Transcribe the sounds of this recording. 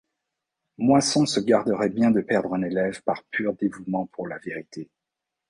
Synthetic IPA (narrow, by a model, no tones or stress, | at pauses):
mwasɔ̃səɡaʁd̪əʁɛbjɛ̃d̪əpɛʁd̪ʁɛ̃nelɛvpaʁpʰyʁd̪evumɑ̃pʰuʁlaveʁit̪ʰe